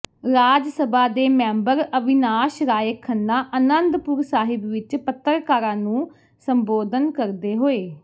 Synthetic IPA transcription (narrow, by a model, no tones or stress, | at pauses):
ɾaːd͡ʒsəbaːd̪eːmɛ̃ːmbəɾəʋɪnaːʃɾaːjəkʰːənːaːʔənənd̪pʊɾsaːɦɪbʋɪt͡ʃpət̪ːəɾkaːɾãːnũː | səmboːd̪ənkəɾd̪eːɦoːeː